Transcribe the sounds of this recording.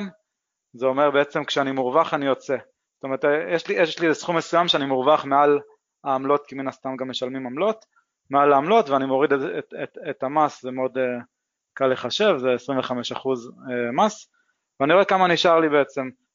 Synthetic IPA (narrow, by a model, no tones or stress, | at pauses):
m | zeo̞meʁbeet͡se̞mkʃeanimuʁvaχanijo̞t͡se̞ | z̥tomeʁt̪jeʃlijeliɛsχumːesujamʃeanimuʁvaχmeal | aːmlo̞t̪kiminast̪amɡamːeʃalmimamlo̞t̪ | mealaːmlo̞tveanimo̞ʁideeetamaszemeo̞de | kalːeχaʃe̞vzeesʁiɱveχame̞ʃaχuzemas | veaniʁo̞ekamaniʃaʁlibe̞et͡se̞m